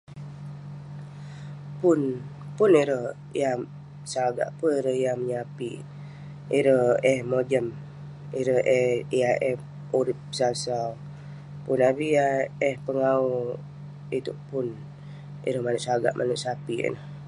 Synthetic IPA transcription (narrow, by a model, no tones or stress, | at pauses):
pʊn | pʊniɾəh | ja | saɡa̰ʔpəiɾəhjaməɲapi | iɾəɛhmod͡ʒəm | iɾəhɛiaʔɛh | uɾip̚ːə̥sasal | punabiaɛhpəŋau | it̪ṵʔpʊn | ḭɾəhmanuʔsaɡa̰ʔmʔa̰nuʔsapiə̰nəh